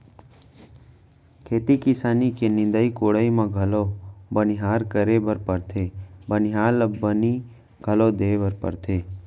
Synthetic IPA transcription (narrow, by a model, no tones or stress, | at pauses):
kʰeːt̪ikɪsaːnikenɪ̃nd̪əikoːɽəimãɡʱəlobənɪɦaːɾkəɾebəɾpəɾt̪ʰeːbənɪɦaːləbəni | ɡ̥ʱəlod̪eːbəɾpə̰ɾt̪ʰeː